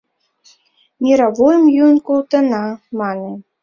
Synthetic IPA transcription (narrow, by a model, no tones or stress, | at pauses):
mʲiɾɑβojəmjunkulˠt̪ə̆nɑmɑnə̆